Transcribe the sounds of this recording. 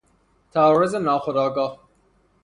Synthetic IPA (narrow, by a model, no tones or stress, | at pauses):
t̪ʰaːɾozenɒːxod̪ɑːɡɑːh